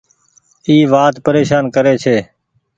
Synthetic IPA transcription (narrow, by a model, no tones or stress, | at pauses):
iːʋaːt̪pəɾeːʃaːnkəɾeːt͡ʃʰeː